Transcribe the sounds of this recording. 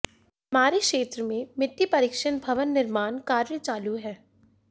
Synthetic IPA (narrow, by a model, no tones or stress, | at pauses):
maːɾekʃeːt̪ɾəmẽmɪt̪ːipɐɾɪkʃənbʱɐʋənːɪɾmaːnkaːɾjət͡ʃaːluɦɛː